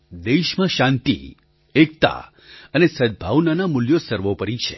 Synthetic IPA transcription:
d̪eʃmãʃãnt̪ḭ | ek̚t̪a̰ | ənesəd̪̚bʱaʋnanamʊljosəɾʋopəɾit͡ʃʰe

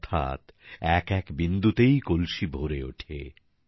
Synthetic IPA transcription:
t̪ʰa̰t̪ɛkɛkbind̪ut̪ejkolʃibʱoɾeo̰ʈʰḛ

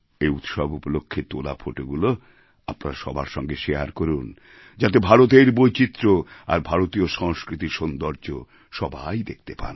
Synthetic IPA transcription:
ejut̪ʃɔbupolokʰːet̪olafʰoʈoɡulo | apna̰ɾaʃɔ̰bʱa̰ɾʃɔŋɡeʃea̰ɾkoɾun | d͡ʑat̪ebʱaɾot̪eɾbojt͡ɕit̪ːɾoa̰ɾbʱaɾot̪ioʃɔŋskɾit̪iɾʃond̪oɾd͡ʑo | ʃɔbajd̪ek̚ʰt̪epa̰ɾ

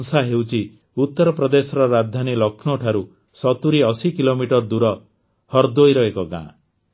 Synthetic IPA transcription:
ŋsaɦewt͡ʃʰi | ut̪ːɔɾɔpɾɔd̪esɔɾɔɾad̪ʱanilɔkʰnɔʈʰaɾu | sɔt̪uɾiɔsikilomiʈɔɾd̪uɾɔ | hɔɾd̪ojɾɔekɔɡã̰

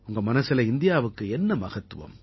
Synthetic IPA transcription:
ʊŋɡɐmɐnɐsɪlɐɪnd̪ɪjaːʋɯkːɯɛnːɐmɐɣɐt̪ːɯʋɐ̰m

